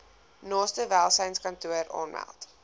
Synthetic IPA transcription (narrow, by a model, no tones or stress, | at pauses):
nɑːstəvælˠsəjnskɐntuəɾɑ̰ːnmæ̰lˠt